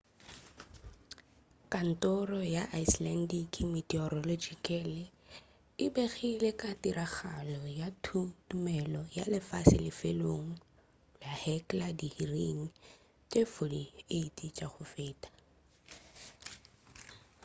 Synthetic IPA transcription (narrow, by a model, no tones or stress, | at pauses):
kʼan̩tʼɔrɔjaʔaislɛndikimitɛɔɾɔlod͡ʒikʼɛlɪ | ɪbeɣilekʼatʼiraχalɔjatʰutʼumɛlɔja̰lɪfasɪlɪfeloŋ̩ | ahɛkʼladihiriŋ̩ | t͡ʃʼefodieitʼit͡ʃʼaχʊfeːtʼḁ